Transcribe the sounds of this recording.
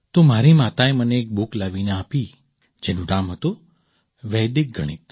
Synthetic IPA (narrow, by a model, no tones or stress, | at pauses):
t̪omaɾimat̪aeməneːk̚buklaʋineaːpi | d͡ʒenũɾamɦət̪o | ʋɛjd̪ik̚ɡʱəɽ̃it̪